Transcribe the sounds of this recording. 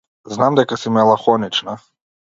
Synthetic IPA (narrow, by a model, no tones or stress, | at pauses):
znamd̪ɛkasimɛlˠaxɔnit͡ʃna